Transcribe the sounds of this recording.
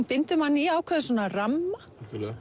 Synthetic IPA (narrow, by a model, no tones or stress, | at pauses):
npɪnt̪ʏmanːiaːwkʰvɛðʏsɔːnaramːa | lɛ